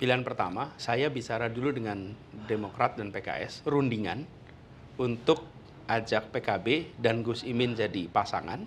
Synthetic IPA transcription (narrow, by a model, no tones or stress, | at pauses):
pilianpərt̪a̰masajabit͡ʃaɾaduludəŋandemokɾat̪̚danpeka̰ʔɛ̰srundiŋa̰n | unt̪ʊk̚ | ad͡ʒak̚pekabedanɡusimɪnd͡ʒadipasa̰ŋa̰n